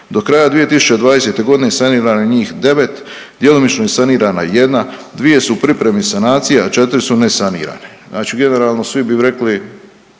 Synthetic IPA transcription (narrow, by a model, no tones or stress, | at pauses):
d̪okɾaːjad̪ʋije̞t̪isu̥t͡ʃe̞d̪ʋaːd̪e̞se̞ːt̪e̞ɡo̞d̪inesaniːɾaːnaɲiːxd̪e̞ʋe̞t̪ | d̪je̞lomit͡ʃnojesaniːɾaːna̰jed̪nad̪ʋije̞supɾipɾemisanaːt̪sijeat͡ʃe̞t̪ɾisunesanḭːɾa̰ne | naːt͡ʃiɡe̞ne̞ɾaːlˠno̞sʋibiɾe̞kli